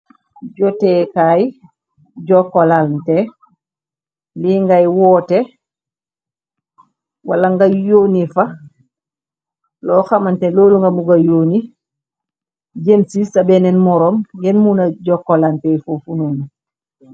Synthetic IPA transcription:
ɟɔtɛkaj | ɟɔkːɔlalntɛ | liŋɡajwɔːtɛ | walaŋɡajoːnifa | lɔːxamantɛloːluŋɡamuɡajoːni | ɟemsisabɛnɛnmɔɾɔmjɛnmunaɟɔkːɔlalntɛfofunuːnu

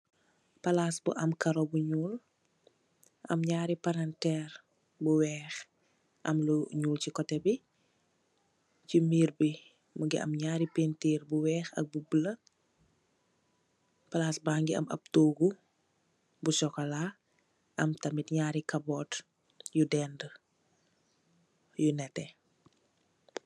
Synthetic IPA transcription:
pɐlaːsbuʔɐmkɐɾɔbuɲuːl | ʔɐ̰mɲaːɾipaɾantɛːr | buwɛːx | ʔɐ̰mluɲuːlcikɔtɛbi | cimiːɾbi | muɡiɐ̰mɲaːɾipentiːrbuwɛːxɐ̰k̚bubəlɐ | pɐlaːsbaːŋɡiɐ̰mɐ̰p̚toːɡu | busɔkɔlaː | ɐmtɐmitɲaːɾikɐbɔt | judɛːnd | junɛtɛ

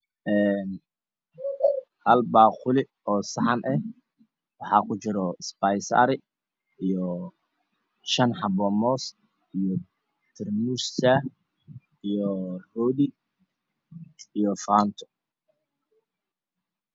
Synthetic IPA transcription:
ʔɛːn | hɐlbaːqʊlɪ | ɔːsɑħɑnʔɛh | wɑħɑːkʰʊt͡ʃɪɾɔspajsa̰ːɾɪ | ijɔ | ʃɐnħɑbɔːmɔːs | ijɔ | t̪ʰɪrmussa | ijɔrɔːdi | ijɔfaːnt̪ʰɔ̥

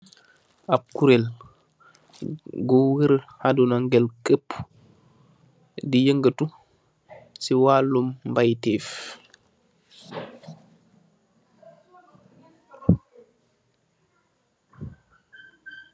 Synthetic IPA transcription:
ʔap̚kuɾɛl | ɡɔwiɾhadunaŋɡɛlkəpː | dijəŋɡətu | siwaːlːumːbajtɛf

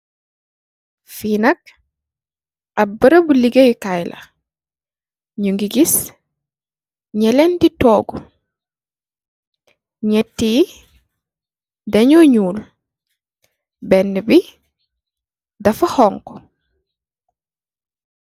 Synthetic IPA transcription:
fiːnɐk̚ | ɐbəɾɐbuliɡejkajlʔɐ̰ | ɲuŋɡiɡis | ɲɛlɛnditɔːɡu | ɲɛtːiː | dɐɲɔɲuːl | bɛnːəbi | dɐfɐhɔŋkɔ̥

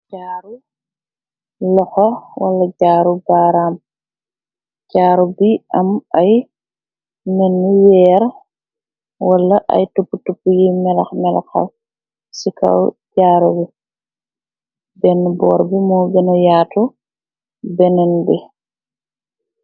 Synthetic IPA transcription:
ɟaːɾu | lɔxɔwa̰lːaɟaːɾubaːɾaːm | ɟ̥aːɾubiamaj | mɛnːujɛːɾ | walːaʔa̰jtupːutupːujimɛlaxmɛla̰xa̰ | sika̰wɟaːɾubi | bɛnːbɔ̰ːɾbimubɛnɔjaːtɔ | bɛnɛnbɛ

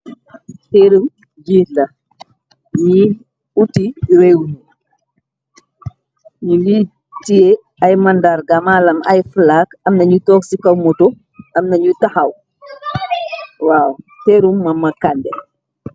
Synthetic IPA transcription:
tɛɾum | d͡ʒiːtlɐ | ɲi | utiwɛwuɲu | ɲuliː | tie | ɐjmɐndaɾɡamaːlɐmɐ̰jfəlaːkɐmnɐɲutɔːksikɐwmɔtɔ | ɐmnɐɲutɐxɐw | waːwteːɾumːɐmːɐkandɛ

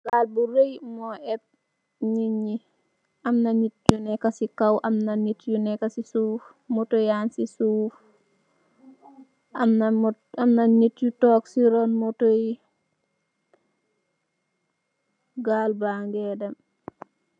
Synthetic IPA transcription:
ɡaːlbuɾejmɔʔɛt̚ | ɲiɲi | ʔamnaɲit̚junɛkasikawʔɐmnanitjunɛkasisuːf | motojaːnsisuːf | amn | amnaɲitjutɔːksiɾɔnmotoji | ɡaːlbaːŋɡɛdɐm

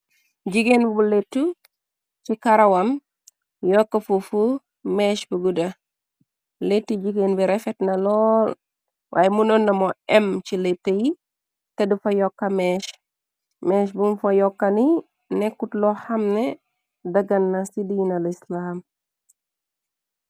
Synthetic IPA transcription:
ɟiɡenbubuletːu | t͡ʃikaɾɐwam | jɔkːɐfufu | mɛʃbuɡudɐ | letːiɟiɡenbiɾɛfɛtnɐlɔːl | wʔa̰ːjɛmunɔnːɐmɔɛmt͡ʃiletːeji | tɐdufɐjɔkːɐmɛːʃ | mɛʃbumfɐjɔkːɐni | nɛkutlɔhɐmnɛ | dɐɡɐnːɐsidinɐlislaːm

